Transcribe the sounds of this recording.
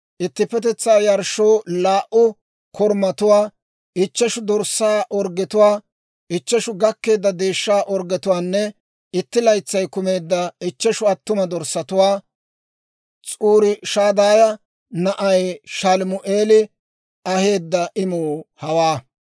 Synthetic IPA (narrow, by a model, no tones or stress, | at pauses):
ʔɪt̪ːɪpːɛt̪̬ɛt͡sːaːjɐɾʃoːlaːʔʊ | kʰɔɾmɐt̪ʊwaː | ɪt͡ʃːɛʃʊd̪ɔɾsaːʔɔɾɡɛt̪ʊwaː | ɪt͡ʃːɛʃʊɡɐkːe̞ːd̪ːɐd̪e̞ːʃːaːʔɔɾɡɛt̪ʊwaːnːɛ | ɪt̪ːɪlɐjt͡sːɐjkʊme̞ːd̪ːɐɪt͡ʃːɛʃʊɐt̪ːʊmɐd̪ɔɾsːɐt̪ʊwaː | t͡sʼuːɾɪʃaːd̪aːjɐ | nɐʔɐjʃɐlmʊʔeːlɪ | ɐhe̞ːd̪ːɐʔɪmuːhɐwaː